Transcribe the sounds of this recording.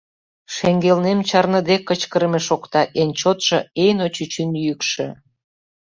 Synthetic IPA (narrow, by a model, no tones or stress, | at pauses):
ʃeŋɡelnemt͡ɕɑrnə̆d̪ekːət͡ɕkəɾmeʃokt̪ɑʔenʲt͡ɕot̪ʃɤejnot͡ɕyt͡ɕynjykʃĕ